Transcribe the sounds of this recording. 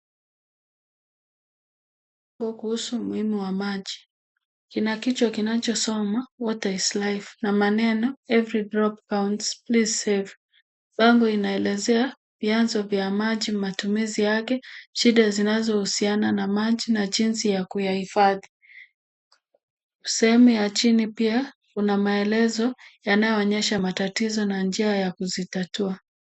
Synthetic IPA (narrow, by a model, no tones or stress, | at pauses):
ɓ | aŋɡɔkuhusumuhimuwamaʄi | kinakit͡ʃɔkinat͡ʃɔsɔmawɔtaislajfnamanɛnɔɛvɾidɾɔp̚kawntsplizsɛv | ɓaŋɡɔinaɛlɛzɛa | vjanzɔvjamaʄimatumizijakɛʃiɗazinazɔhusiananamaʄinaʄinsijakujahifaði | sɛhɛmujat͡ʃinipia | kunamaɛlɛzɔjanajɔːɲɛʃamatatizɔnand͡ʒiajakuzitatua